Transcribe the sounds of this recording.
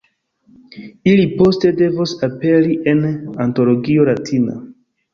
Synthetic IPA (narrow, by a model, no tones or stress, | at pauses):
ilipo̞ste̞de̞vosape̞ɾiʔe̞nanto̞lo̞ɡio̞latʰina̰